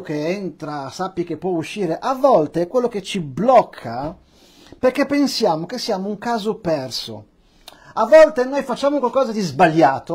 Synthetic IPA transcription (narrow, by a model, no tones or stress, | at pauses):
k̟eɛnt̪ɾasapːik̟epːwɔuʃːiːɾeʔavːɔlt̪eɛkwelːok̟et͡ʃiblɔkʰːa | perkepːensjaːmok̟esːiaːmouŋkaːzopɛrso̰ | avːɔlt̪enojfat͡ʃːaːmokwalkɔːzad̪izbaʎːaːt̪o